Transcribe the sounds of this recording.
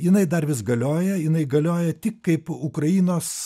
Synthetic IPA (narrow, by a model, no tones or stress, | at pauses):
jɪnɐɪd̪ɐrʋʲɪsɡɐlʲoːjɛjɪnɐɪɡɐlʲoːjɛt̪ʲɪkkɐɪpʊkrɐiːnoːs